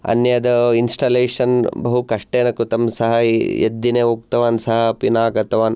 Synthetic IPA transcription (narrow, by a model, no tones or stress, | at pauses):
ɐ̰njɐd̪ɐinsʈɐːleːʂɐnbɐɦukɐʂʈeːnɐkːut̪ɐmsɐɦɐjḛd̪ːineuːk̚t̪ɐʋaːnsɐɦɐpinaːɡɐt̪ɐʋaːn